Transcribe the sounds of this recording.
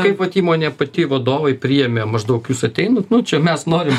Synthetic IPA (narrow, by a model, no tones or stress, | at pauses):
kɐɪpʋɐt̪ʲiːmoːnʲɛːpɐt̪ʲɪʋɐd̪oːʋɐɪpʲɾʲiːjɛmʲemɐʒd̪ɐʊkjuːsɐt̪ʲɛɪnɐt̪nʊt͡ʃʲɛmʲɛsnoːɾʲɪm